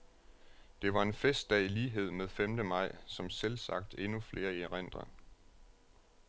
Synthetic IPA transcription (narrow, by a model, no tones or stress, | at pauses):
d̥e̝ʋɑ̈e̝nfesd̥ɛ̰ːiliːɦe̝ð̞̰ˠmeð̞ˠfemd̥əmɑ̈ɪ̰sɒ̽mselsɑ̈ɡ̥̚d̥e̝nufle̝ːɐieʁen̰d̥ʁɐ